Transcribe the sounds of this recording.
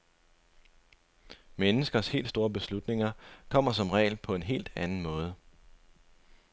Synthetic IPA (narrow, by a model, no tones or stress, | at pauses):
menəsɡ̥ɐshe̝̰ːld̥sd̥o̝ːɐb̥e̝slud̥ne̝ŋɐkʰɒ̽m̰ɐsɒ̽mʁɛ̰ːɪlpʰɒ̽e̝nɦe̝̰ːld̥ænn̩mɔ̽ːð̞ˠə